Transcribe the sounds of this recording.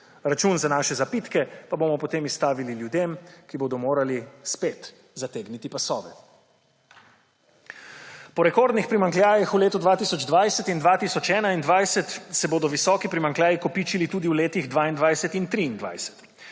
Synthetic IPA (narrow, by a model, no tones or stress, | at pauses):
ɾat͡ʃunzanaːʃɛzapit̪kɛpaboːmɔpɔt̪eːmist̪aːʋililjud̪emkiboːd̪ɔmoːɾalispeːt̪ | zat̪eːɡnit̪ipasɔ̰ːʋɛ̰ | pɔɾɛkoɾd̪nixpɾimaŋkljaːjixuleːt̪ud̪ʋaːt̪isɔd͡ʒd̪ʋajsɛt̪ind̪ʋaːt̪isɔt͡ʃɛːnaind̪ʋajsɛt̪sɛboːd̪ɔʋisɔːkipɾimaŋkljaːjikɔpiːt͡ʃilit̪uːd̪iuleːt̪iɣd̪ʋaːind̪ʋajsɛt̪int̪ɾiːnd̪ʋa̰jsɛ̥t̪